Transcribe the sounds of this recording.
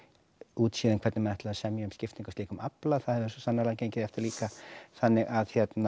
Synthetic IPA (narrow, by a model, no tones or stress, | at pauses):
uːt̪siːðɪnkʰvɛɾt̪nɪmɛnɛht̪lðasɛmjaʏmscɪft̪iŋkʏst̪liːkʏmaplaθaðhɛɾvʏɾsɔsanːaɾlaɣcejɲcɪðɛft̪ɪɾliːkaθanːɪɣaðhçjɛt̪na